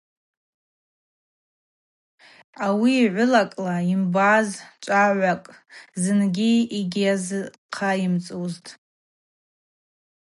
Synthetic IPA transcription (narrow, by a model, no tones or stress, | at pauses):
awiːʕʷʊlakʼlaimbazt͡ʃʷʼaʕʷakʼzɨnɡʲiiɡʲazɨ | qʰaimt͡sʼuztʼ